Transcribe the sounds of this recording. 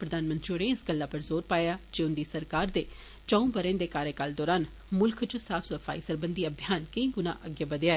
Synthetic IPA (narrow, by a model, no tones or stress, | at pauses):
pɾəd̪aːnmə̃nt̪t͡ʃoɾẽːɪsɡəlːaːpəɾzoːɾpaːjaːd͡ʒeːʊnd̪iːsəɾkaːɾd̪eː | t͡ʃãːũːbəɾẽːnd̪eːkaːɾeːkald̪ɔːɾaːn | mʊlkʰt͡ʃsaːfsfʰa̰ːisəɾbənd̪iːəbʱijaːnkə̃ĩːɡʊnã̰ːʔəɡjəbəd̪jaːɛː